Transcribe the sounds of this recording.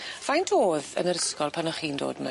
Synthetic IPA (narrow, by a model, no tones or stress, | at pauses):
v̥ajntʰoːðə̰nəɾəskɔlˠpʰanaχiːndo̰ːdma̰